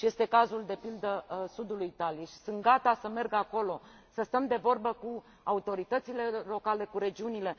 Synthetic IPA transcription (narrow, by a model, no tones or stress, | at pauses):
ʃije̞st̪e̞kazuld̪e̞pild̪əsud̪ulujt̪aliʃi̥sɨnt̪̚ɡat̪asəme̞rɡako̞lo̞ | səst̪əmd̪e̞vo̞rbəku | aut̪o̞ɾit̪ət̪sile̞lo̞kale̞kuɾe̞d͡ʒiunile̞